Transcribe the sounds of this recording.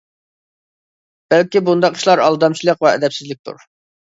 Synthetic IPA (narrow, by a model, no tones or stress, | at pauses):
b̥ælkʲibund̪ɑqʰːə̥ʃlˠɑɾɑlˠd̪ɑmt͡ʃʰilˠəqvɛɛ̰d̪ɛpsɪzlɪk̚ʲt̪ṵɾ